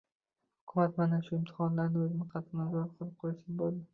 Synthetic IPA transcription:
hhʊ̥kʰʲʊmat̪manaʃʊɪmt̪ʰɪ̥χɒnlaɾnɪɵzɪnɪqʰɑt̪ʰɪnazɒɾqʰolˠɪp̚qʰojsɪnbolˠd̪ɪ

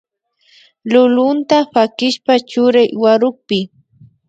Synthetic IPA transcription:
lʊlʊnt̪apakɪʃpat͡ʃʊɾajwaɾʊχ̚pɪ

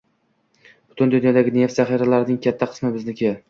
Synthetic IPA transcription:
b̥ʊt̪ʰʊnd̪ʊnjɒd̪aɡʲɪne̞ft̪zaχiɾalaɾɪnɪŋkʲʰat̪ʰːaqʰɨ̥smɪbɪznɪkʲʰea

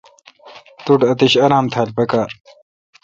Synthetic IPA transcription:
t̪uʈɐt̪iɕɐɾaːmt̪ʰaːlpekaːɾ

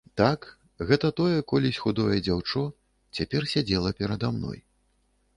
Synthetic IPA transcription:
t̪ak | ɣɛt̪ɐt̪ɔjɛkɔlʲisʲxud̪ɔjɛd͡zʲawt͡ʂɔ | t͡sʲapʲɛrsʲad͡zʲɛlˠɐpʲɛɾɐd̪amnɔ̰j

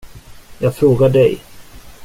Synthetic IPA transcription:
jɑːɡfɾoːɡaɖɛj

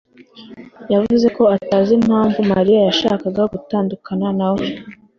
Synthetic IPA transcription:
javuze̞koataːzim̥haːɱvumaɾijajaʃa̰ːkaɡaɡutaːndukananawo

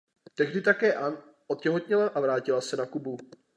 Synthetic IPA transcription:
t̪ɛɣdɪt̪akɛːʔan | ʔot̪̚cɛɦot̪ɲɛlaʔavɾaːcɪlasɛnakubu

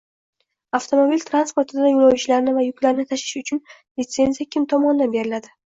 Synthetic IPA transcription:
aft̪ʰo̞mo̞bilʲt̪ʰɾanspo̞ɾt̪ʰɪd̪ajolˠawt͡ʃɪlaɾnɪvajʊkʲlaɾɪnɪt̪ʰaʃɪ̥ʃʊt͡ʃʰʊn | lɪt̪se̞nzijakʲʰɪmt̪ʰɒmɒnɪd̪anbe̞ɾɪlad̪ɪ

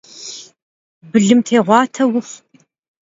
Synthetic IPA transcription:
bɨɮɨmtʰeːʁʷɑːtʰɐwʊx

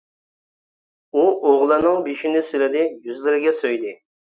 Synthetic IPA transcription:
uoʁlˠɨnɨŋbiʃinɪsɪlɪd̪ɪjyzlɪɾɪɡʲɛsøjd̪ɪ

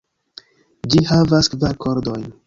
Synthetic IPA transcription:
d͡ʒihavaskvaɾkʰo̞ɾd̪o̞jn

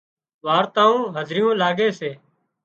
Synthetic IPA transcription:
ʋaːɾt̪aːũːɦəzɾɪjũːlaːɡeːseː

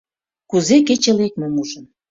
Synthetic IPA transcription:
kuzeket͡ɕelek̚momuʒən

